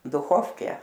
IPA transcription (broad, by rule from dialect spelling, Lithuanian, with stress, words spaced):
dʊˈxoːfʲkʲɛ